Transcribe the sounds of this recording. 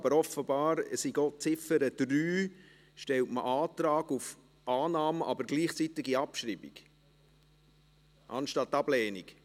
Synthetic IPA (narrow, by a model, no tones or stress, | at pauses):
ɑbəɾɔfəbɑːɾəsiɡot͡sɪfəɾəd̪̥ryː | ʃtɛltmə̰ʔɑːtɾɑːɡuf | ʔɑːnɑːməʔɑbəɾɡliːχt͡sit̪ɪɡiɑpʃɾiːbḭɡ | ʔɑ̰nʃtɑt̪ːɑblɛːnik